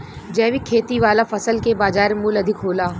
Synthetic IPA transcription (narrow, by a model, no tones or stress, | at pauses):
d͡ʒɛːʋikʰeːt̪iʋaːlafɐsəlkebaːd͡ʒaːɾemulɐd̪ʱɪkɦoːlaː